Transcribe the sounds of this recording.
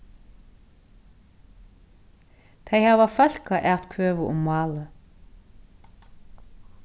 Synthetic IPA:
t̪ʰæɪhɑːʋɑfœlkɑʔæːʁt̪kʰøːʋəʔʊ̰mmɑːlə

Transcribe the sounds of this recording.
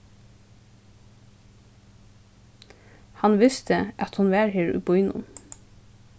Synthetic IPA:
hɑnʋɪst̪ʰəʔɑt̪hʊnʋæːɾheːɹʉ̰ːbʊʏnʊ̰m

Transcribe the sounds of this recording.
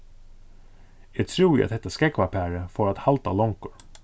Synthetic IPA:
jɛɡt̪ʰɾṵːɑ̰t̪d̪ɛt̪ːəskɛkːʋɑpʰæːɾəfɔːɾat̪hɑlt̪alɔŋkʊɾ

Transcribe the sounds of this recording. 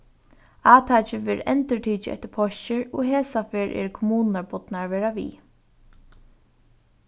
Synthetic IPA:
aːt̪ʰaːt͡ʃɪʋɛːɾɛ̰nt̪ɪɹʈʰiːt͡ʃɪɛ̰ht̪ɪɾpʰɔʃɪɹɔɦeːsafɛːɹʔɛ̰ɹkʰɔmuːnnaɹpɔt̪naɹʋɛːɹaʋḭː

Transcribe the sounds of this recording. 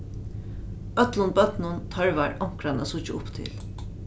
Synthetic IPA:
œt̪lʊnbœt̪nʊnt̪ʰœɹʋaɹʔɔm̥kɾanasʊt͡ʃɪʊpt̪ʰɪ̰l

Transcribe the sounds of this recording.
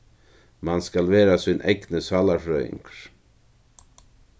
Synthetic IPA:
mɑnskɑlʋeːɾasɪnʔɛ̰ɡnəsɑːlafɾœɪ̰ŋkɾ

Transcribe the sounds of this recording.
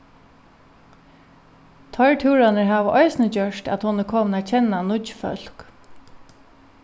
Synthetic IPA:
t̪ʰɔɹt̪ʰuːɹanəɹɦaːʋəʔɔɪsnət͡ɕœʂtæ̰t̪hɔnɪɾkʰɔːmnat͡ʃʰɛnanʊfœ̰l̥k

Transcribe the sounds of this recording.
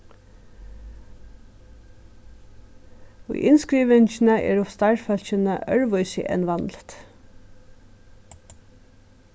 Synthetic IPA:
ʊ̰jʔɪnskɾiːʋɪnçnəʔɛ̰ːɹʊst̪ɑɹfœl̥çənəʔœɹʋʊʏsɪ̰ʔɛ̰nʋɑnlt̪

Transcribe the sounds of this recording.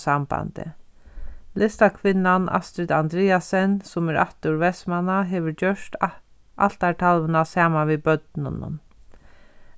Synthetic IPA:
samb̥a̰nt̪ɪ̰ | lɪst̪akʰʋɪnːana̰st̪ɾɪd̪and̪ɾɛːasɛnsʊmɛɾa̰ht̪ʊɹʋɛsmanaɦɛːʋəɾd͡ʒœʂt̪ | ʔa̰lt̪aʈʰalʋənasaːmaʋibœt̪nʊ̰nʊ̰n

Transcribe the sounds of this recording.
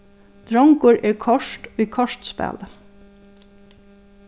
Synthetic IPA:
t̪ɾɔŋkʊɹʔɛːɹkʰɔʂt̪ikʰɔʂt̪spæ̰ːlə

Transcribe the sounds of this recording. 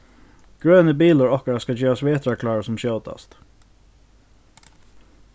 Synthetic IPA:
ɡ̥ɹøːnəbiːlʊɹɔhkəɾaskɑd͡ʒøːasʋeːt̪ɾakʰlɑːɹəsɔmɕoʊt̪ɑ̰st̪

